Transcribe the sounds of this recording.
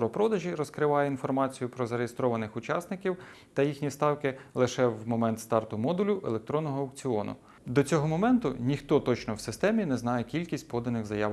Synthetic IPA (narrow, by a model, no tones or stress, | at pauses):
ɾɔpɾɔd̪ɐʒiɾɔskɾɪʋɑjɛinfɔrmɑt͡sʲijʊpɾɔzɐɾejest̪ɾɔʋɐnɪxʊt͡ʃɑsnɪkʲiw | t̪ɐjixnʲist̪ɑwkɪlˠɪʃɛwmɔmɛnt̪st̪ɑrt̪ʊmɔd̪ʊlʲʊʔelˠek̚t̪ɾɔnːɔɦɔːɐk̚t͡sʲiɔnʊ̰ | d̪ɔt͡sʲɔɦɔmɔmɛnt̪ʊnʲixt̪ɔt̪ɔt͡ʃnɔwsɪst̪ɛmʲinɛznɑjɛkʲilʲkʲisʲt̚ʲpɔd̪ɐnɪxzɐjɑʋ